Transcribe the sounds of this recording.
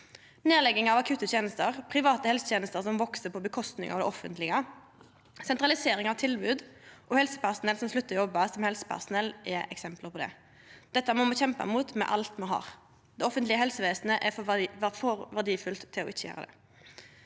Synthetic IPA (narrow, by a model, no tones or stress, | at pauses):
neːlɛɡːɪŋɑʋɑkʰʉːt̪ːət̪ʰjeːnəst̪əʁpʰʁɪʋɑːt̪əhɛlsə̥t̪jeːnəst̪əʁsɔmʋɔksəpʰɔbəkʰɔst̪nɪ̰ŋɑ̰ʋd̪ɛ̰ʔɔfənt̪lɪɡə | sɛnt̪ʁɑlɪseːɾɪŋɑʋt̪ʰɪlbʉːd̪ʔɔhɛlsə̥pæʁsʊnɛlsɔmslʉt̪ːəɾjɔbːɑsɔmhɛlsə̥pʰæ̰ʁsʊnɛlːʔɛʔɛksɛmpləʁpʰɔd̪ɛ̰ | d̪̥ɛt̪ːəmɔmoçɛmpɑ̰muːt̪mɛ̰ʔɑlt̪mɑnɦɑ̰ːʁ | d̪ɛɔfənt̪lɪəhɛlsəʋeːsnəʔɛfʋæfɔɾʋæʁd̪iːfʉlt̪ʰːɪlɔ̰ʔɪçəjø̰ːʁəd̪ɛ̰